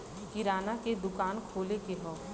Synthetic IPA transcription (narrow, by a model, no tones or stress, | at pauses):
kɪɾaːnaked̪ʊkaːnkʰoːlekeɦɔ̃ː